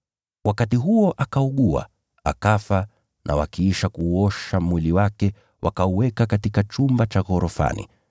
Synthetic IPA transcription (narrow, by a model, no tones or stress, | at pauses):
wʔakatiɦuɔʔakauɠua̰ | akafa | nʔa̰wakiiʃakuːɔʃamwiliwakɛ | wʔakauwɛkakatikat͡ʃumbat͡ʃaɣɔɾɔfa̰nḭ